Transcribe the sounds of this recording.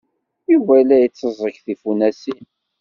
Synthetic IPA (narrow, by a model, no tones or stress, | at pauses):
ivælæjət͡sːəzˤəkθifunæsi